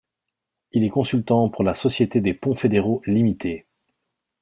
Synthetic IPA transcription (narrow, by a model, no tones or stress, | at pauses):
ilɛkɔ̃sylt̪ɑ̃puʁlasɔsjet̪ed̪epɔ̃fed̪eʁolimit̪ʰe